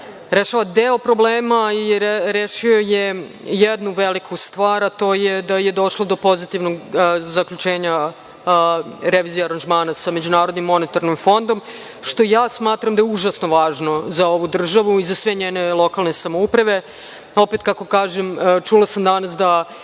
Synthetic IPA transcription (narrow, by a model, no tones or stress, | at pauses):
ɾeʃaʋad̪eːopɾo̞bleːmaiɾeʃio̞je | jɛd̪nuʋelikʰust̪ʋaːɾat̪o̞ːjed̪ajed̪o̞ʃlˠod̪o̞po̞zit̪iʋnoɡzakʎʲut͡ʃeːɲa | ɾeʋiːzijeaɾand͡ʒmaːnasame̞d͡ʑunaːɾod̪nimːo̞net̪aɾnimfo̞nd̪o̞m | ʃt̪o̞jaːsmaːt̪ɾamd̪ajeuʒasno̞ʋaːʒno̞zao̞ʋud̪r̩ʒaʋuizasʋeɲeːne̞lˠo̞kalˠne̞samoupɾaʋe̞ | o̞peːt̪kakokaːʒemt͡ʃulˠasamd̪anasd̪a